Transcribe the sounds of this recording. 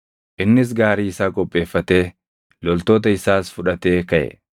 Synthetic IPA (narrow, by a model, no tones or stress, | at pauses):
ʔɪnːɪs̬ɡaːɾiːɪsaːkʼɔpʼːe̞ːfːɐt̪e̞ː | lɔlt̪o̞ːt̪̬ɐɪsaːsfʊᶑɐt̪e̞ːkɐʔɛ̰